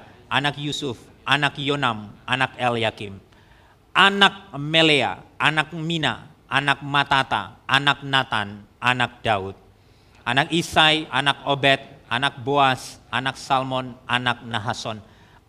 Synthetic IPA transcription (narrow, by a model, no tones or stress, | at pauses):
ʔanakjusʊf | ʔanakjonamʔanakɛljakim | ʔanak̚melea̰anak̚mina̰ | ʔanak̚mat̪at̪a̰ʔanak̚nat̪ananak̚daut̪̚ | ʔanakisajʔanakobɛt̪̚ʔanak̚boasʔanaksalmɔnanak̚naɦasɔn